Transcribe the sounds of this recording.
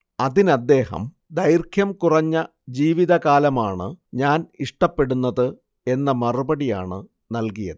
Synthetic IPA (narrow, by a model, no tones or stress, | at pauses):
ɐðinɐd̪ːe̞ːhɐ̰m | d̪ɐjrkʰjɐmkurɐɲːɐ | d͡ʑiːʋiðɐɣaːlɐmaːɳɨɲaːniʂʈɐpːe̞ɽunːɐðɨ | e̞nːɐmɐrubɐɽija̰ːɳɨ | nɐlkijɐ̰ðɨ